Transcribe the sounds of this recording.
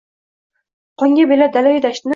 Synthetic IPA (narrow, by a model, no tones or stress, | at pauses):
qʰɒŋɡʲabelad̪alajid̪aʃt̪ɪn